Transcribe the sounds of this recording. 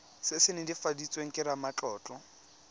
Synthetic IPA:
sɪsɪnɪdifadit͡sʼweŋ̩kʼɪɾamat͡ɬɔːt͡ɬʼɔ

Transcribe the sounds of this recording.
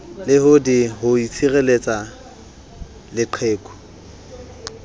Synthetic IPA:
lɪɦʊdihʊit͡sʰirelet͡sʼa | lɪǃʰeːkʼɔ̥

